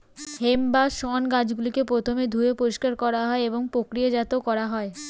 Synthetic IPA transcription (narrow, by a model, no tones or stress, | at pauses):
hembaʃɔnɡãd͡ʑɡulikepɾot̪ʰomed̪ʱuepoɾiʃkaɾkɔɾaɦɔeeboŋpokɾijed͡ʑat̪okɔɾaɦɔe